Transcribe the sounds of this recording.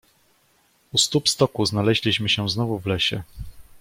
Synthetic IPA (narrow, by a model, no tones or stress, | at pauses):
ust̪upst̪ɔkuznalɛʑlʲiɕmɘɕɛ̃znɔvuvlɛɕɛ